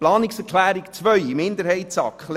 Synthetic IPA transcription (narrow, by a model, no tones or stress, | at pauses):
plɑːnɪksɛɾklæːɾikt͡svœʏimɪnd̪əɾhɛɪt̪sɑkχl